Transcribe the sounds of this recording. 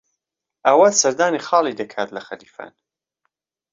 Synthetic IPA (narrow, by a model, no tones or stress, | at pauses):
ɐwasɐɾd̪aːnixɑːlˠid̪ɐkʰaːt̪lɐxɐliːfa̰ːn